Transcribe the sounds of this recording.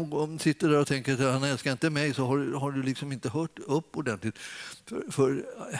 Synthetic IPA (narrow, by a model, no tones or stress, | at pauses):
ɡsɪt̪ːəɖæɾɔt̪ʰɛŋkəɾat̪hanɛlskaɾɪnt̪əmɛjsɔɦaɖhaɖɵlɪksɔmɪnt̪əɦœːʈɵpːɔɖɛnt̪lɪt̪ffœɾ